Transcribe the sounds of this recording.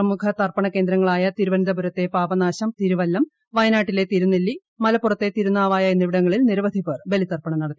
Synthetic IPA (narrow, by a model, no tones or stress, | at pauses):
ɐmukʰɐt̪ɐrpɐɳɐke̞ːnd̪ɾɐŋːɐɭaːjɐt̪iɾuʋɐnd̪ɐbuɾɐt̪ːe̞paːbɐnaːɕɐmt̪iɾuʋɐlːɐm | ʋɐjɐnaːʈːile̞t̪iɾunːelːi | mɐlɐpːurɐt̪ːe̞t̪iɾunːaːʋaːjɐenːiʋiɽɐŋːɐɭilniɾɐʋɐd̪ʱipeːrbe̞lit̪ɐrpɐɳɐmnɐɽɐt̪ːi